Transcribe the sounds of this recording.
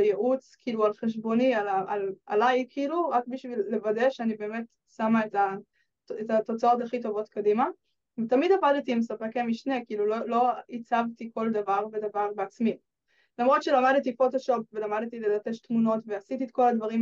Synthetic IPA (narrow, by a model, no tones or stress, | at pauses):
ljeʔut͡skiilualχeʃ̬bo̞nialaala̰lajkʰiiluʁakbiʃvilːe̞vade̞ʃeanibe̞ːmet | samaeta | etato̞t͡sao̞taχit̬o̞vo̞tkadima | vetamidavadtiːmsapekemiʃne̞kiiːlulolo̞it͡savtiko̞ldavaʁbedavaʁbeat͡smi | lamʁo̞tʃelamadtifotoʃo̞p̚velamadtilelate̞ʃtmuno̞tveasitietko̞ladvaʁim